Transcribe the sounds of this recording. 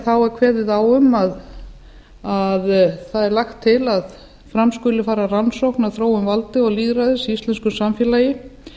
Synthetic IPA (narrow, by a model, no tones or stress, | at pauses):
θawɛɾkʰvɛːɾvɪðaːwʏmað | aðθaðɛɾlaxt̪ʰːɪlað | fɾamskʏlɪfaːɾaransowhknaðθɾoːwʏmvalt̪ɪɔɣliːɣɾaðɪsiist̪lɛnskʏsamfjɛːlajɪ